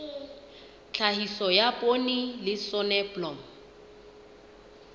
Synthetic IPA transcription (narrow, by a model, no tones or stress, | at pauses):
t͡ɬʰaɦisɔjapʼonilɪsɔnɛblɔm̩